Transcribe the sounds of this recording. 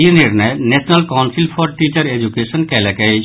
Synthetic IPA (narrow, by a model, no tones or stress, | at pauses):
iniɾnaenɛsʰnalkawnsilfʰɔɾʈit͡ɕaɾed͡ʑukeʃonkɛlɛka